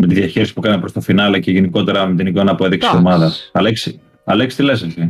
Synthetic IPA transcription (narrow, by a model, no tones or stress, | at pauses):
met̪iðjɐçeɾisi̥pukɐnmepɾo̞st̪ɐfinɐleceʝeniko̞t̪e̞ɾɐmet̪inikonɐːpoeðiksiomɐðɐsɐleks | ɐlekst̪ileseçi